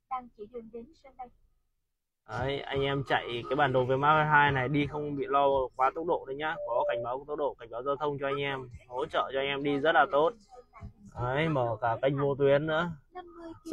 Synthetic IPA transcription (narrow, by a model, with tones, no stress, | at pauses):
ɗaː˧ŋt͡ɕi˧˩ɗi˨˧˩əŋɗe˨˦nsə˧ | ʔə˨˦jʔa˧jŋ̟ʔɛ˧mt͡ɕa̰˧˨jkaː˨˦jɓaː˨˩nɗə˨˩veː˨˦maː˦˥a˧ɦaː˧jna˨˩jɗi˧xə˧wŋ͡mɓḭ˧˨lɔ˧kwaː˨˦t̪ə˦˥t̚ɗo̰˧˨ɗə˨˦ɲaː˧kɔ˨˦ka˧˩jŋ̟ɓaː˨˦wkt̪̚ɗo̰˧˨˩ka˧˩ŋ̟ɓaː˨˦wzaː˧t̪ʰə˧wŋ͡mt͡ɕɔ˧ʔa˧jŋ̟ʔɛ˧mho̰˧˥t͡ɕə̰ː˧˨t͡ɕɔ˧a˧jŋʔɛ˧mɗi˧zə˦˥t̚laː˨˩t̪o˦˥t̚ʔə˨˦jməː˧˩kaː˧˩ka˧jŋ̟vo˧t̪̬wi˨˦ənːɨ̰˧˥ə